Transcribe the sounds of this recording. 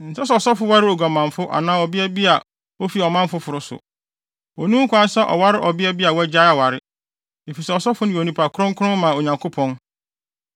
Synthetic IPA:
n̩˨sa˦sɛ˦˨ɔ˨sɔ˦fʊ˦wa˦ɾɪ˦o˨ɡa˨mã˨m˨fʊ˦ʔa̰˨nãː˦ɔ˨bɪ˦æ˦bi˦a˨ | o˦fi˨ɔ˨mã˦m˦fʊ˦fʊ˨ɾʊ˦sʊ̰˨ | o˨nũ˦ŋ̩˦kʷã˦n˦sɛ˦ʔɔ̰˨wa˦ɾɪ˦ʔɔ˨bɪ˦ɛ˦bi˦a˨wɛ˦d͡ʑa˦a˨wa˨ɾɪ˦ | e˨fi˨sɛ˦ɔ˨sɔ˦fʊ˦nʊ̃˦o˨nĩ˨pʰa˨kʰʊ˦ɾʊ̃˦ŋ˦kʰʊ˦ʊ̃˦m˦mã˨o˨ɲã˨ŋkʰʊ˦pʰɔ̃˦n

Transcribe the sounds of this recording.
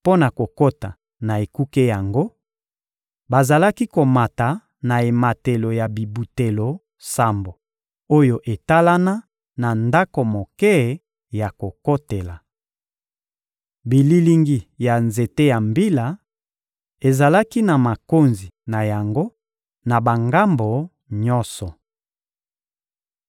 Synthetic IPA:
po˦na˨ko˨ko˦ta˨ | na˨e˨ku˦ke˦ja˨ŋɡo˦ | ba˨za˨la˦ki˦ko˨ma˨ta˨ | na˨e˨ma˨te˨lo˨ja˨bi˨bu˨te˨lo˨ | sa˦mbo˨ | o˦jo˨ʔe˨ta˦la˦na˦ | na˨nda˦ko˨mo˨kɛ˦˨ | ja˨ko˨ko˦te˨la˨ | bi˨li˨li˦ŋɡi˨ja˨nze˨te˦ja˨mbi˦la˨ | e˨za˨la˦ki˦na˨ma˨ko˦nzi˨na˨ja˨ŋɡo˦ | na˨ba˨ŋɡa˦mbo˨ | ɲɔ˦sɔ˨

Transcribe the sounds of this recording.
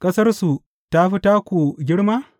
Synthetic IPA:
kʼɐ˦sɐ˦rsu˨ | ta˦ɸi˦taː˦kʷu˨ɡʲɪ˦ɽmaː˦

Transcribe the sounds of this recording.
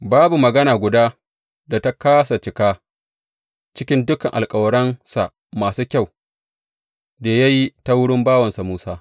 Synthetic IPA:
baː˦bu˨mɐ˨ɡɐ˦naː˨ɡʷʊ˨daː˦ | da˨ta˦kaː˦sa˨t͡ʃɪ˨kaː˦ | t͡ʃɪ˦kʲɪ˦ndʊ˦kɐ˨ŋʔa̰˨lkʼɐ˨wɐ˨ɽɐ˦nsa˨ | maː˨suː˦kʲa˦˨w | daː˨ja˦ji˦ta˦wʊ˦ɽɪ˦mbaː˦wɐ˨nsa˨muː˦saː˦

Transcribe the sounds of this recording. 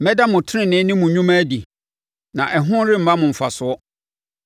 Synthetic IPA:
mɛ˦da˦mʊ̃˨tʰɪ˦nɪ̃˦˨nɪ̃˦nɪ̃˦mʊ̃˨ɲũ˦mã˦di˨ | nã˨ʔɛ˨ɦʊ̃˦n˦ɾɪ˦m̩˨mã˦mʊ̃˨m̩˨fa˨sʊ˨ɔ˦

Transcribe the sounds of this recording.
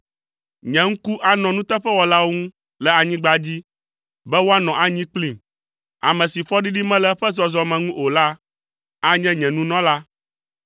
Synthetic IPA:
ɲɛ̃˨ŋ̩˦ku˦ʔa˨nɔ̃˨nũ˦t̪ɛ˦ɸɛ˦wɔ˨la˦wo˦ŋũ˦ | lɛ˨a˨ɲĩ˦ɡ͡ba˦d͡ʑi˦ | bɛ˦wo˦a˦nɔ̃˨ʔa˨ɲĩ˦k͡pli˦˨m | a̰˨mɛ̃˨si˨fɔ˦ɖi˦ɖi˦mɛ̃˦lɛ˦ɸɛ˦zɔ˨zɔ˦mɛ̃˨ŋũ˦ʔo˨la˦ | a˦ɲɛ̃˦ɲɛ̃˨nũ˦nɔ̃˦la˦

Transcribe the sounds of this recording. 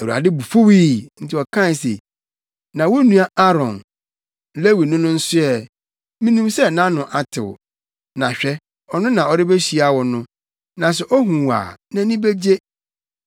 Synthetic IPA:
æ˨u˨a̰˨dɪ˦bu˨fo˦wiː˦n̩˦tʰɪ˦ɔ˨kʰã˦n˨sḛ˨ | nã˨wo˦nũ˦a˦a˦ɾɔ̰̃˨n˨˦ | le˦wi˨nʊ̃˦nʊ̃˦n̩˦sʊ˦ɛ˨ | mĩ˦nũ˦msɛ˦˨nã˦nʊ̃˨ʔa˨tʰɪ̰˨wʊ̰˨ | nã˨ɕᶣɛ˦ | ɔ˨nʊ̃˦nã˨ɔ˨ɾɪ˦be˦ɕi˨˦a˨wɔ˨nʊ̃˦ | nã˨s̬ɛ˨ʔɔ˦ɦũ˨wa̰ː˨nã˦nĩ˦be˦d͡ʑe˦

